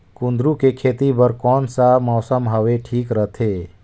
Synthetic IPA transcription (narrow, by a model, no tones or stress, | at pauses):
kʊ̃nd̪ɾukekʰeːt̪ibəɾkɔːnsamɔːsəmɦəʋeʈʰiːkɾət̪ʰeː